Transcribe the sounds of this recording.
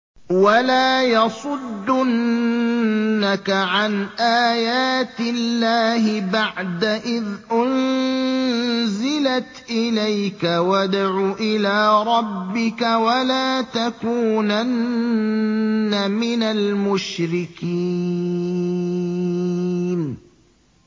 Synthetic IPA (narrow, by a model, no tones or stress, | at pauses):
walaːjɑsˤʊd̪ːʊn | akaʕanʔaːjaːt̪ɪlːaːɦɪbaʕd̪aʔɪðʔʊn | zɪlat̪ʔɪlajkawad̪ʕuːʔɪlaːɾˤɑbːɪkawalaːt̪akuːnannː | amɪnalmʊʃɾɪki | n